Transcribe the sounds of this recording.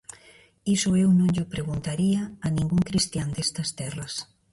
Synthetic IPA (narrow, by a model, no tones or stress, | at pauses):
isʊewnõŋʎʊpɾeɣunt̪aɾiɐːnĩŋɡuŋkɾist̪jand̪est̪ɐst̪ɛrɐs